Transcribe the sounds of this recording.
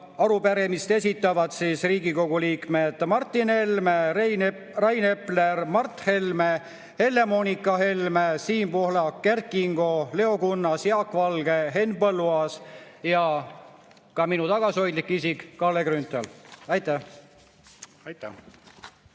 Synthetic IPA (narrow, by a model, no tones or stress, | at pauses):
ɑɾupeɾemist̪e̞sʲit̪ːˑɑvɑd̪siːsriːɡiko̞ɡ̥uliːkme̞d̪̥mɑrt̪ˑːinelme | rɑjne̞plermɑrt̪he̞lme | he̞lːe̞mo̞ːnikːˑɑɦe̞lmesiːmpohlɑkːerkiŋɡ̥o̞le̞o̞kunːɑsjɑkːˑvɑlɡ̥e̞ɦe̞nbɤlːuɑsjɑ | kɑminut̪ɑɡ̥ɑsio̞jd̪likːˑisikːɑlːekrynt̪ːˑelɑjt̪ːæh | t̪æ